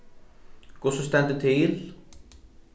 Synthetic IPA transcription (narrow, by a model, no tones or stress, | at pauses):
kɔsɔst̪ɛnt̪ɪt̪ʰɪl